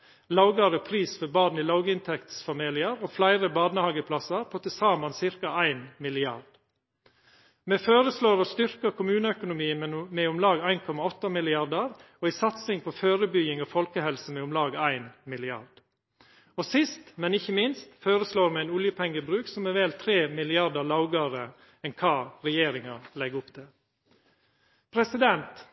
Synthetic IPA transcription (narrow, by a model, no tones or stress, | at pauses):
lɑʊɡɑɾəpʰɾiːsfɔbɑːd̪niːlɑʊɡəɪnt̪ʰɛkt̪sfɑmiːlɪəɾoflæɪɾəbɑːd̪nəhɑːɡəpʰlɑsəɾpʰɔt̪ʰɪsɑːmɑnsɪɾkɑæɪnmɪlɪɑ̰ɾd̪̥ | meːføːɾəsloːɾɔst̪ʏɾkəɾkʰʊmʉːnəœkʊnʊmiːəmeːʊmlɑːɡæɪnkʰɔmɑɔt̪ːɑmɪlɪɑɾd̪əɾɔisɑt̪sɪŋpʰɔføːɾəbʏɡɪŋɔfɔlkəhɛlsəmɛʊmlɑːɡæɪnmɪlɪɑ̰ɾd̪̥ | ɔsɪst̪mɛnɪçːəmɪnst̪føːɾəsloːɾmɛæɪnʊljəpʰɛŋːəbɾʉːksɔmɛʋɛːlt̪ʰɾeːmɪlɪɑɾd̪əlɑʊɡɑɾə | ɛnkʰɑːɾɛjeːɾɪŋɑlɛɡʊpt̪ʰɛ | pʰɾɛsɪd̪ɛnt̪